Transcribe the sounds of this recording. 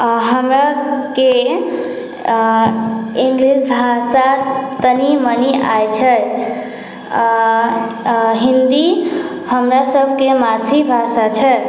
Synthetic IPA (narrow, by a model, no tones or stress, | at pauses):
ɦəmɾake | iŋɡlisbʱasat̪ənimənia̰jt͡ʃʰə | ɦind̪i | həmɾasəbʱkemat̪ʰibʱasat͡ʃʰə